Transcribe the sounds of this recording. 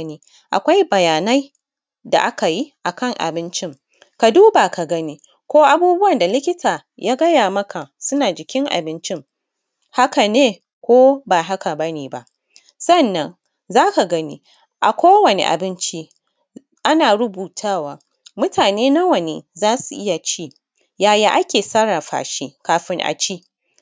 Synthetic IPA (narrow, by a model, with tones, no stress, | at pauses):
niː˦ | ʔa̰˨kʷa˦jbɐ˨jaː˨na˦j | da̰˨ʔa˦ka˨ji˦ʔa˨kɐ˦˨ŋʔa̰˨bɪ˦nt͡ʃɪ˦ŋ | ka˨duː˦ba˨ka˨ɡɐ˦ni˦ | kʷoː˦ʔa˦buː˦bʊ˦wɐ˨nda˨lɪ˦kʲɪ˦taː˨ | jaː˦ɡɐ˦jaː˨mɐ˦ka˨sʊ˦naː˨d͡ʒɪ˨kʲɪ˦ŋʔa̰˨bɪ˦nt͡ʃɪ˦ŋ | ha˦ka˨neː˦ | kʷoː˦ba˨ɦa˦ka˨bɐ˦niː˨ba̰˦ʔ | sɐ˦nːɐ˦ŋ | zaː˦ka˨ɡɐ˦ni˦ | ʔa˨kʷoː˦wɐ˨nḛ˨ʔa̰˨bɪ˦nt͡ʃi˦ | ʔa˦naː˨ɽʊ˦buː˨tʰaː˦waː˨ | mʊ˦tʰaː˨neː˦na˦wɐ˨neː˨zaː˦su˨ʔɪ˦ja˨t͡ʃiː˦˨ | jaː˨ja˦ʔa˦kʲeː˨sa˦ɽaː˨ɸa̰ː˨ʃiː˦kaː˨ɸɪ˦ŋʔa̰˨t͡ʃiː˦